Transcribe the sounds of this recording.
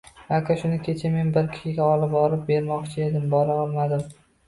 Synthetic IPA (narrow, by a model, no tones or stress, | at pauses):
akʲʰaʃʊnɪkʲʰe̞t͡ʃʰame̞nbɪɾkʲʰɪ̥ʃɪɡʲaɒlɪp̚ɒlɪp̚be̞ɾmɒqt͡ʃʰɪed̪ɪmbɒɾaɒlˠmad̪ɪm